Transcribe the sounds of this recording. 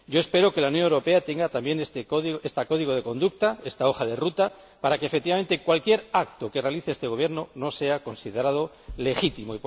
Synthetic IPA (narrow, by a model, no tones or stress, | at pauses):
ɟ͡ʝo̞e̞spe̞ɾo̞ke̞launjo̞newɾo̞pe̞at̪e̞ŋɡat̪ambje̞nest̪ekoðiɣest̪ako̞ðiɣoð̞e̞kõ̞nd̪uk̚t̪ae̞st̪ao̞xaðe̞rut̪a | paɾake̞fekt̪iβamẽ̞nt̪e̞kwalkje̞ɾakt̪o̞ke̞re̞aliθeest̪e̞ɣ̞o̞β̞je̞ɾno̞nose̞ako̞nsiðe̞ɾað̞o | le̞xit̪imoi